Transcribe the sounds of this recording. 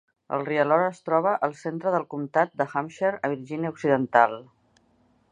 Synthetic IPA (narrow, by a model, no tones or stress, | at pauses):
ə̰lˠriəlɔɾːst̪ɾɔβ̞əʔəlˠsent̪ɾəðəlˠkumt̪at̪̚d̪əxamʃeɾəβ̞iɾʒiniəuksiðənt̪alˠ